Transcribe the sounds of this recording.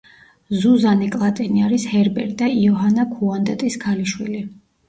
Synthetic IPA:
zuzanikʼlˠat̪ʼɛniaɾishɛɾbɛ̰ɾt̪̚ʼd̪aiɔɦanakʰuand̪ɛt̪ʼiskʰaliʃwḭli

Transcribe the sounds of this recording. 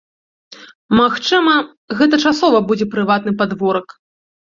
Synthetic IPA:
maxt͡ʂɨmɐ | ɣɛt̪ɐt͡ʂasɔvɐbud͡zʲɛpɾɨvat̪̚nɨpad̪vɔɾɐk

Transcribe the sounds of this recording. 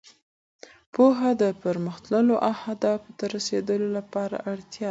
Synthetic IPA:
poɦad̪əpəɾməxt̪ləloʔawhad̪ɑfot̪aɾased̪əlolapɑɾa̰ʔaɽt̪jɑ

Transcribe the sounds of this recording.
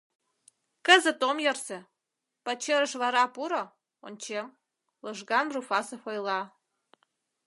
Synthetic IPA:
kəzə̆t̪omjə̆rsĕ | pɑt͡ɕĕɾə̆ʃβɑɾɑpuɾŏ | onʲt͡ɕem | lɤʒɣɑnrufɑsɤ̆fojlɑ

